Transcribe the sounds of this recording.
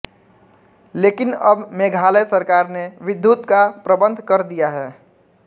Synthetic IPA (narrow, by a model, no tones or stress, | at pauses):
leːkɪnəbmeːɡʱaːləjsəɾkaːɾneʋɪd̪ʱːjut̪kapɾəbə̃nd̪ʱkəɾd̪ijaɦɛː